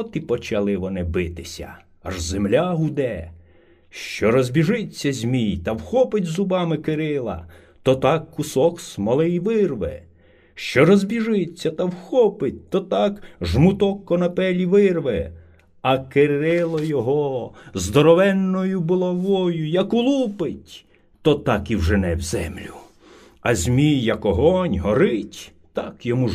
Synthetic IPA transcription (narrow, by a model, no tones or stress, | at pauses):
t̪ipɔt͡ʃɐlˠɪʋɔnɪbɪt̪ɪsʲɐ̰ | ɐ̰ʒzemlʲaɦʊd̪ɛ | ʃt͡ʃɔɾɔzʲbʲiʒɪt͡sʲːɐzʲmʲijt̪ɐwxɔpɪtʲzʊbɑmɪkɪɾɪlˠɐ̰ | t̪ɔt̪ɑkːʊsɔksmɐlˠɪjʋɪrʋɛ̰ | ʃt͡ʃɔɾɔzʲbʲiʒɪt͡sʲːɐt̪ɐwxɔpɪt̚ʲt̪ɔt̪ɑkʒmʊt̪ɔkːɔnɐpɛlʲiʋɪrʋɛ | ɐkɪɾɪlˠɔjɔɦɔzd̪ɔɾɔʋɛnːɔjʊbɔlˠɐʋɔjʊjɐkʊlˠupɪtʲ | t̪ɔt̪ɑkiwʒenɛ̰wzɛ̰mlʲʊ | ɐzʲmʲijːɐkɔɦɔnʲɦɔɾɪtʲ | t̪ɑkjɔmu